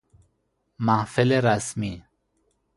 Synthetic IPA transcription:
mahfileɾasmi

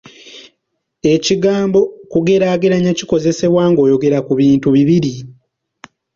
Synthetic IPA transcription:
e̞ciɡaːmbo̞kuɡe̞ɾaːɡeɾaɲaciko̞ze̞se̞βwaːŋɡo̞ːjo̞ɡe̞ɾakuβiːntuβiβiɾi

